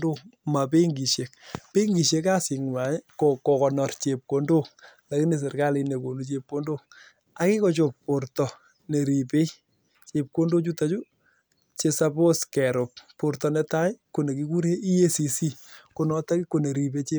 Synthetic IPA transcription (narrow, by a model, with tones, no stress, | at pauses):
do˦ma˨pe˦ŋɡi˨ʃe˨k̚pe˦ŋɡi˨ʃe˨ka˦sɪ˨ŋmwa˨ɲ˦kokɔ˨kɔ˨nɔ˨rt͡ʃe˨p̚ko˨ndo˦ | la˨ki˦ne˨s̬ɪ˨ɾka˦lɪ˨ne˨ko˨nu˦t͡ʃe˨p̚ko˦ndo˦ | a˦kɪ˦kɔ˦t͡ʃo˨k̚po˨ɾtɔ˨ | ne˨ɾi˨pe˦i | t͡ʃe˨p̚ko˦ndo˦t͡ʃu˦ta˦t͡ʃu˦ | t͡ʃe˨sa˦bo˦skɛ˨ɾʊ˨p̚po˨ɾtɔ˨nɛ˦ta˦jko˨ne˨ki˦ku˦ɾe˦i˦e˦si˨si˦ko˨nɔ˦ta˦ki˦ko˨ne˨ɾi˨be˦t͡ʃe˦